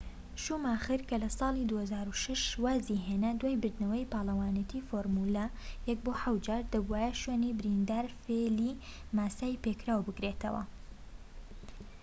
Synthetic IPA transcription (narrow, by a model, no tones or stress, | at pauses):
ʃumaːχɨɾkɐlɐsɑːlˠid̪uhɐzaːɾuːʃɐʃwaːziɦeːnɐd̪waːjbɨɾd̪nɐwɐjpɑːlˠɐwaːnɐt̪ʰiːfoːɾmuːlɐ | jɛk̚boːħawd͡ʒaːɾd̪ɐbuwaːjɛʃweːnibɪɾind̪aːɾfelimaːsaːjpekɾaːwbɨkɾeːt̪ɐ̰wɐ̰